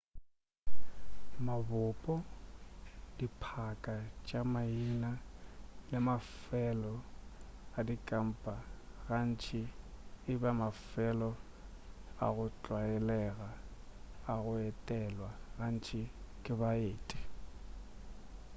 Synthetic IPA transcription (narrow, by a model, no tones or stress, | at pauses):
mabʊpʼɔ | dipʰakʼat͡ʃʼamainalɪmafɛlɔ | adikʼam̩pʼaɣan̩t͡ʃʰɪɪbamafɛlɔ | a̰ɣʊt͡ɬʼwaɛlɛɣaː | ɣʊɛtʼɛlwaɣan̩t͡ʃʰʼɪkʼɪbaeːtʼi̥